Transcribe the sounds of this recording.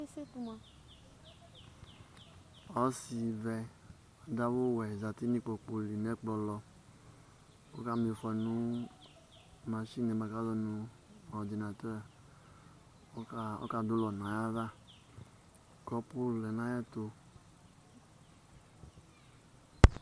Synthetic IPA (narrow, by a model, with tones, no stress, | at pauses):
e˦se˦tu˨ma˨ | ɔ˦si˧vɛ˧ | ɔ˨da˦wo˦˨wɛ˨za˨ti˦ni˦k͡po˨k͡po˧li˨nɛ˦k͡plɔ˧lɔ˧ | o̰˦ka˦m˨e˨fɔ˨nu˦ | ma˨ʃi˦ne˨˦ba˨ka˦zɔ˧nu˧ | ɔ˨di˨na˨tɔ˦ɾ | ɔ̰˦ka˦˨do˦lɔ˨na˨ja˦va˦˨ | kɔ˦po˦llɛ˨na˨˦jɛ˦to˧